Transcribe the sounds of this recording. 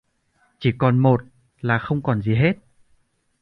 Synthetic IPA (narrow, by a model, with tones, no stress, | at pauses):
t͡ɕi˧˩kɔ˨˩nmo˨˩t̚ | laː˨˩xə˧wŋ͡mkɔ˨˩nzi˨˩ɦe˦˥t̚